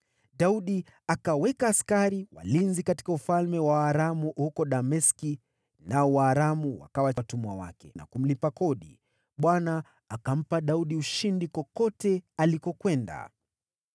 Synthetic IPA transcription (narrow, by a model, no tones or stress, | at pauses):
ɗauɗi | akawɛkaːskaɾiwa̰linzikati̥kaufalmɛwaːɾamuhukɔɗamɛski | naɔwaːɾamuwa̰kawatumuawa̰kɛ̰na̰kum̩lipakɔɗḭ | ɓwana | akam̩paɗauɗiuʃindikɔkɔtɛalikɔkwɛnda̰